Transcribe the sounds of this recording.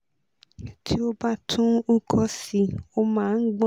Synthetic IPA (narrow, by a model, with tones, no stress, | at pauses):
tʰi˦o˦ba˦tʰũ˦u˦kʰɔ˦si˧o˦mãː˦n̩˦ɡ͡b